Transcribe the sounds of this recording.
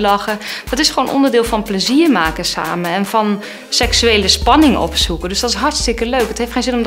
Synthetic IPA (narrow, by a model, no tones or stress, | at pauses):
lɑχəd̥ɔtɪsχəʋoːnʔɔ̰ndəɹdɪːlˠfɑnpləziːɹmaːkəsa̰ːməɛnvɑn | sɛksyejləspɑnɪŋɔ̰psukəndøsdɑtɪsɦɑɹtstɪkəløɥkɦətɦejftχejnzɪnɔm